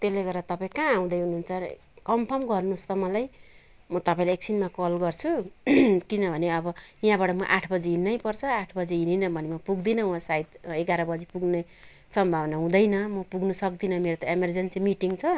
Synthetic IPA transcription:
t̪eleɡʌɾdat̪ʌpãĩkãːw̃d̪ʌjɦununt͡sʰʌɾ̰ | kʌmpʰʌmɡʌrnust̪ʌmʌlaj | mʌt̪ʌpaĩleek̚sʰinmakʌlɡʌrt͡sʰu | kinʌbʱʌneʌbʌjãbaʈʌmʌʔaʈʰbʌd͡ziɦinːʌjpʌrt͡sʰʌaʈʰbʌd͡ziininʌbʱʌnemʌpuɡd̪inʌwãsaid̪eɡaɾʌbʌd͡zipuɡne | sʌmbʱawnaɦũd̪ʌjnʌmʌpuɡnusʌk̚d̪inʌmeɾot̪ʌemerd͡zent͡simiʈiŋɡt͡sʰʌ

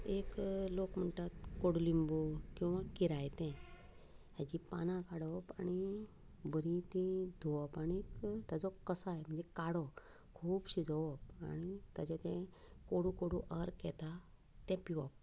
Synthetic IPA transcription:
eklokm̤əɳʈat̪koɽulimbukĩw̃ʋãkiɾajt̪ɛ̃ | ɦad͡ʑipanãkaɽɔpa̰ɽ̃i | bəɾĩt̪ĩd̪ʱuʋɔpaɽikt̪jad͡zɔkəsajm̤əɳd͡zekaɽɔ | kʰuːbɕid͡zɔʋɔpaɽ̃it̪at͡ɕat̪ɛ̃ | koɽukoɽuʔəɾkɛt̪a | t̪ɛ̃piʋɔp̚

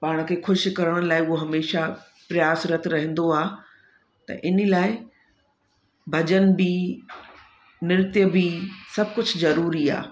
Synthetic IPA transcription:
paːɽ̃̆kʰeːxʰʊʃkɐɾəɽ̃̆laːɪʊɦoɦɐmeːʃa | pɾɐjaːsɾɐt̪̆ʰɾɐɦə̃n̆d̪oaː | t̪ɐ̰ʔɪnəlaːɪ | bʱɐd͡ʑənbi | nɪɾt̪jəbisɐb̚ʱkʊd͡ʑʱzɐɾuːɾia̰ː

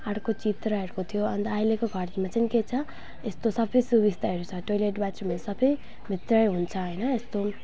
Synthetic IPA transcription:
aɽkot͡sit̪rʌɦeɾkot̪ʰijoʌnd̪ʌajlekoɡʱʌrmat͡sʌniket͡sʰʌ | est̪osʌbʌjsubist̪aɦeɾut͡sʰʌʈojleʈbat͡srumasʌbʌj | mʱit̪rʌjɦunt͡sʰʌɦʌjnʌest̪o

